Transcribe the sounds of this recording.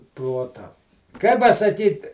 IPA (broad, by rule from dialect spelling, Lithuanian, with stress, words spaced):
ˈproːtɐ kɐɪ pɐsɐˈkʲiːt